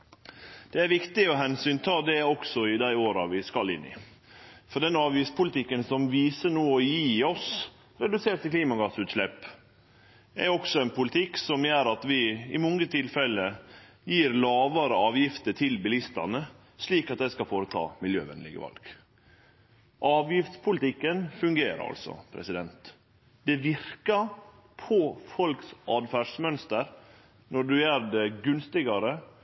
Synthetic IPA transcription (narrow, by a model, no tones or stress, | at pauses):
d̪̥ɛæɾʋɪkt̪ɪɔɦɛnsyːnt̪ʰɑːd̪ɛɔksɔɪd̪æɪoːɾɑʋɪskɑlɪnːɪ̰ | fɔɖɛnɑːʋʋispʰʊlɪt̪ɪkːənsɔmʋiːsənoːɔjiːɔs | ɾɛd̪ʉseːʈ̪ɪkliːmɑɡɑsʉːt̪slɛpː | æɾɔksɔɛnpʰʊlt̪ʰɪksɔmjøːɾɑt̪ʋɪɪmɔŋːət̪ʰɪlfɛlːə | jiːɾlɑːʋɑɾəɑːʋjɪft̪ət̪ʰɪlbɪlɪst̪ɑ̰nə | sliːkɑt̪d̪æɪskɑfoːɾət̪ʰɑ̰ːmɪljø̰ːʋɛ̰nlɪ̰ɡə̰ʋɑ̰lɡ̥ | ʔɑːʋjɪft̪spʰʊlɪt̪ɪkːənfʉŋɡeːɾə̰ɑ̰lsɔ̰pʰɾɛ̰sɪd̪ɛnt̪ | d̪ɛʋɪɾkɑ | pʰɔfɔlksɑːd̪fæːʂmœnst̪əɾ | nɔɖʉjæːɾdɛɡʉnst̪ɪɡɑɾə